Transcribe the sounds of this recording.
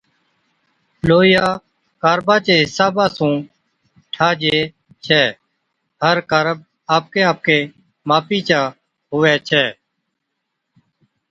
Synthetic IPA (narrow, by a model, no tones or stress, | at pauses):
loːjaː | kaːɾbãːt͡ʃeːɦɪsaːbaːsũː | ʈʰaːd͡ʒeː | t͡ʃʰɛː | ɦəɾkaːɾəb̚ | aːp̚keːaːp̚keː | maːpiːt͡ʃaː | ɦʊʋɛːt͡ʃʰɛː